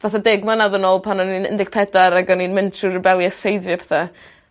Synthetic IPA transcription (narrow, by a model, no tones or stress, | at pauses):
vaθadɛɡmanaðənoːlˠpʰanɔninə̰ndɪk̚pʰɛdaɾaɡɔninmɪntʰrurɪbɛlˠjɛsfejdvjapʰɛ̥θa